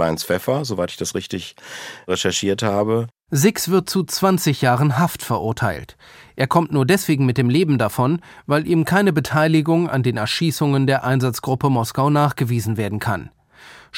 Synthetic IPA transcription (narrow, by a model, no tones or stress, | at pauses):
la̰ɪnsfɛfazovaɪtɪ̥çd̥asʁɪçtɪçʁɛʃɛɐʃiːɐthaːbə | zɪksv̥ɪɐt̚t͡sut͡sv̥ant͡sɪçjaːʁənɦaftfɛɐʔʊɐtʰaɪlt | ʔeːɐkʰɔmtnuːɐdɛsv̥eːɡŋ̩mɪt̚d̥eːmleːbm̩dafɔnvaɪlʔiːmkʰaɪnəbətʰaɪlɪɡʊŋa̰ndeːnɛɐʃiːsʊŋəndeːɐʔaɪnzat͡sɡ̥ʁʊpəmɔskaʊnaːχɡ̥əviːzn̩veːɐdn̩kʰa̰n